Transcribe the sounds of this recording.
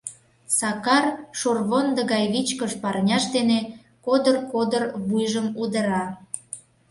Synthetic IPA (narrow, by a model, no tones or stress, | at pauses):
sɑkɑrʃorβond̪əɣɑjβit͡ɕkəʃpɑrnʲɑʃd̪ene | kod̪ərkod̪ərβujʒəmud̪ə̆ɾɑ